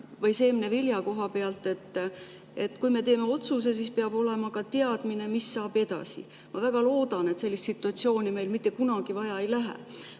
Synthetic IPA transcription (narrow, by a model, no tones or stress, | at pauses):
vɤjse̞ːmineviljɑko̞ɦɑpeɑlt̪ːˑe̞t̪ːˑ | e̞t̪ːˑkujme̞t̪e̞ːme̞o̞t̪sus̬e̞s̬ispeɑbo̞le̞mɑkɑt̪eɑd̪̥mine̞misːɑːb̥e̞d̪̥ɑ̰sḭ | mɑvæɡ̥ɑlo̞ːd̪̥ɑnet̪se̞lʲːist̪sit̪ːˑuɑt̪sio̞ːnime̞jlmit̪ːˑekunɑɡ̥ivɑjɑe̞jlæɦḛ